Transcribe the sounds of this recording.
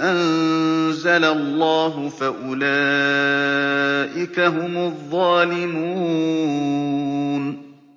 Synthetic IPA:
ʔan | zalalˤːɑːɦʊfaʔʊlaː | ʔɪkaɦʊmʊðˤːɑːlɪmuː | n

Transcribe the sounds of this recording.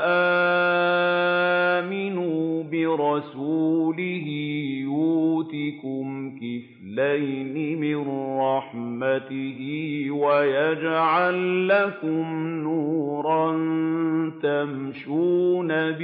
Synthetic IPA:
ʔaː | mɪnuːbɪɾˤɑsuːlɪɦɪjuːt̪ɪkʊmkɪf | lajnɪmɪnɾˤɑħmat̪ɪɦɪwajad͡ʒʕalːakʊmnuːɾˤɑnt̪amʃuːnab

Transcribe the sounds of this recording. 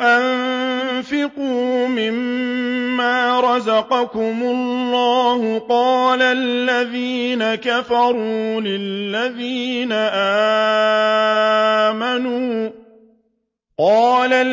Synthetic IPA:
ʔanfɪquːmɪmː | aːɾˤɑzɑqɑkʊmʊlːɑːhʊqɑːlallːaðiːnakafɑɾˤulɪlːaðiːnaʔaː | manuː | qɑːla

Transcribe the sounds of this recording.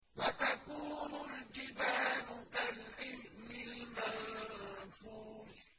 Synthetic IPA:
wat̪akuːnʊnd͡ʒɪbaːnʊkalʔɪmɪlman | fuːz

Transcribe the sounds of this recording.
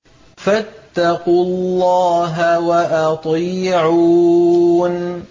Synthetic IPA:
fat̪ːɑqʊlːɑːɦawaʔɑt̪ˤiːʕuː | n

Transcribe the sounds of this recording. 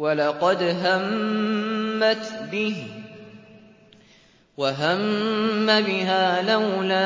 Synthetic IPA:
walɑqɑd̪ɦamː | at̪bɪ | waɦamːabɪɦaːlawlaː

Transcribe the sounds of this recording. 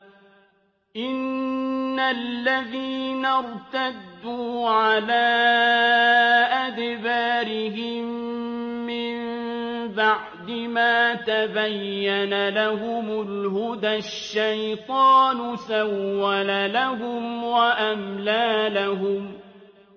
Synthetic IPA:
ʔɪnː | alːaðiːnaɾˤt̪ad̪ːuːʕalaː | ʔad̪baːɾɪhɪmː | ɪm | baʕd̪ɪmaːt̪abajːanalaɦʊmʊlhʊd̪aʃːajt̪ˤɑːnʊsawːalalaɦʊmwaʔamlaːlaɦʊm

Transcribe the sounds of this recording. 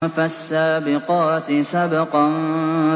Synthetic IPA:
fasːaːbɪqɑːt̪ɪsabɪqɑn

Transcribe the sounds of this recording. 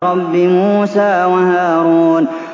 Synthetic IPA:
ɾɑbːɪmuːsaːwahaːɾuːn

